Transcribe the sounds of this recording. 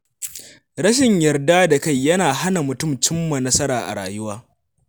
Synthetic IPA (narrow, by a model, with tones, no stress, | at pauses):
ɾɐ˦ʃ̬ɪ˨ɲjɐ˨rda˦da˨ka˦˨jːɐ˦naː˨ɦa˦na˨mʊ˨tʊ˦˨mt͡ʃɪ˦mːɐ˨nːɐ˦sɐ˦ɾaː˨ʔa̰˨ɽaː˨jʊ˦waː˦